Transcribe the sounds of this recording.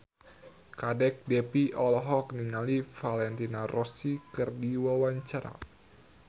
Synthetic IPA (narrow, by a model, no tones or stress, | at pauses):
kadɛk̚dɛpiʔɔlɦɔk̚niŋalifalɛnt̪inarʔɔsikɨrdiwawaɲt͡ʃaɾa̰